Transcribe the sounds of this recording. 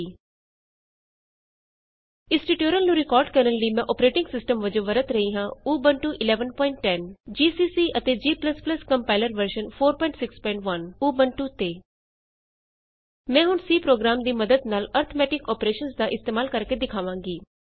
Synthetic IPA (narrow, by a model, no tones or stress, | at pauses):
ɪsʈiʈjoːɾəlnũːɾɪkɔːɾɖkəɾənləiːmɛ̃ːʔɔːpɾeːʈɪ̃ŋɡsɪsʈəmʋəd͡ʒõːʋəɾət̪ɾəɦiːɦãːuːbənʈuːʔɪlɛːʋənpɔːɪɳʈːɛnd͡ʒiːsiːsiːʔət̪eːd͡ʒiːpləspləskəmpaːɪləɾʋəɾʃənpʰoːɾpɔːɪɳʈsɪkspɔːɪ̃ɳʈʋənuːbənʈuːt̪eː | mɛ̃ːɦʊɳsiːpɾoːɡɾaːmd̪iːməd̪əd̪naːləɾt̪ʰomɛːʈɪkɔːpɾeːʃənsd̪aːʔɪst̪eːmaːlkəɾked̪ɪkʰaːʋãːŋɡiː